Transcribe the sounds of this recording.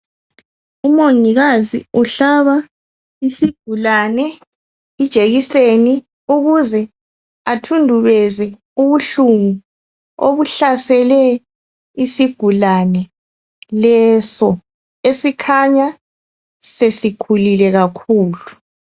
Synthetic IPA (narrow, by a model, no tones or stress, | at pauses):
umoŋiɣazḭuɬaβa | isiɡ̥ʱulanɛ | id̥ʒ̥ʱeɣiseni | uɣuzɛ | atʰundʱuβɛzɛ | uβuɬuŋu | oβuɬasɛlɛ | isiɡ̥ʱulanɛ | lɛsɔ | esikʰaɲa | sesikʰulilɛɣakʰuːlu